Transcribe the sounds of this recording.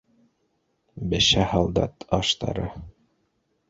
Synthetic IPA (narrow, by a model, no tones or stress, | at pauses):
bɘ̆ʃæhɑlˠd̪ɑ̰t̪ʰɑʃt̪ɑ̰ɾɤ